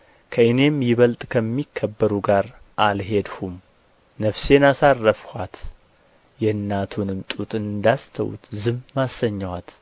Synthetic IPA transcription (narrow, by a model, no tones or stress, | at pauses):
kʰəɨne̞mjɪβəlt̪ʼkʰəmːikʰːəbːəɾuɡaɾʔalɦe̞d̪hum | nəfse̞nasarːəfhat̪ | jɛnːat̪ʰunɨmt̪ʼut̪ʼɨnd̪ast̪ʰə̰wṵt̪zɨmmasːəɲːawat̪